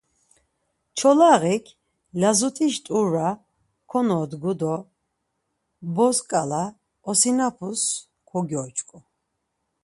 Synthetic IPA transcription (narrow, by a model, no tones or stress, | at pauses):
t͡ʃʰɔlaɣikʰ | lazut̪ʰiʃt̪ʼuɾa | kʰɔnɔːd̪ɡud̪ɔ | bɔskʼala | ɔsinapʰus | kʰɔɡjɔːt͡ʃʰʼkʼɔ